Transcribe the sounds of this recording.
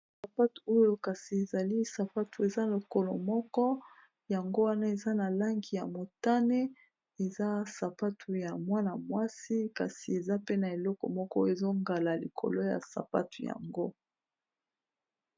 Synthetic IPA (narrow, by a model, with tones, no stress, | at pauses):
sa˨pa˦tu˨o˦jo˦ka˨si˨e˨za˨li˦sa˨pa˦tu˨e˨za˦lo˨ko˦lɔ̰˨mɔ˦kɔ˦ | ja˨ŋɡo˦wa˦na˦e˨za˦na˨la˦ŋɡi˨ja̰˨mo˨ta˦ne˦ | e˨za˦sa˨pa˦tʰu˨ja˨mwa˦na˨mwa˦si˦ka̰˨si˨e˨za˦pe˦na˨e˨lɔ˦kɔ̰˨mɔ˦kɔ˦e˨zo˦ŋɡa˨la˨lḭ˨kʰo̰˨lo˦ja̰˨sa̰˨pa̰˦tu˨ja̰˨ŋɡo˦